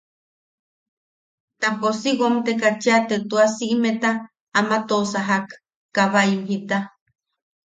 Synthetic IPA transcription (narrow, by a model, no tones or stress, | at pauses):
t̪aposiwomt̪ekat͡ʃiat̪et̪uasiʔmet̪aː | mat̪osaɦakː | aβaimɦit̪a